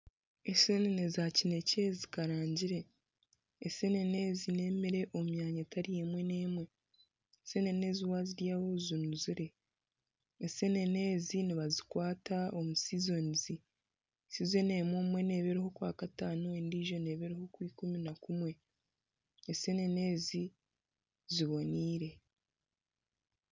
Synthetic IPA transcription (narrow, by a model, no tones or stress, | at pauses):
esenenezacine̞ce̞zikaɾaːɲɟiɾe̞ | ese̞ne̞ne̞ːzine̞ːmeɾe̞ʔomumjaːɲataɾijemwe̞ne̞ːmwe̞ | ese̞ne̞ne̞ːziwaziɾjaːβozunuziɾe̞ | se̞ne̞ne̞ːziniβazikwaːtaomusizo̞nizi | size̞ne̞ːmwomwe̞ne̞ːβe̞ɾeho̞kwaːkataːnoendiːʒo̞ne̞ːβe̞ɾeho̞kwiːkuminakumwe̞ | ese̞ne̞ne̞ːzi | ziβo̞niːɾe̞